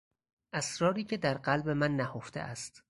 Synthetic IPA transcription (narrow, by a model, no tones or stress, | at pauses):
ʔæsɾɒːɾiːcʰe̞d̪æɾɢælbe̞mænːæhoft̪ḛʔæst̪